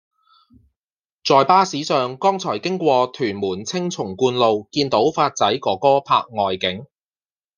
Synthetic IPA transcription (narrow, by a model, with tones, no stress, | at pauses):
t͡sɔː˨jpaː˥siː˨˥sœː˨ŋkɔː˥ŋt͡sʰɔː˨˩jkɪ˥ŋkʷɔː˧t̪ʰyː˨˩nmuː˨˩nt͡sʰɪ˥ŋt͡sʰʊ˨˩ŋkuː˧nlo˨wkiː˧nt̪o˨˥wfaː˧t̚t͡sɐ˨˥jkɔː˨˥kɔː˥pʰa̰ː˧k̚ŋɔː˨jkɪ˨˥ŋ